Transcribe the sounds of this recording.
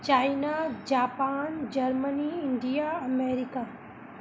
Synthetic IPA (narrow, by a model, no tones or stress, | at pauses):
t͡ʃaːjnad͡ʒaːpaːnd͡ʒɐɾməniɪɳɖijaɐmeːɾika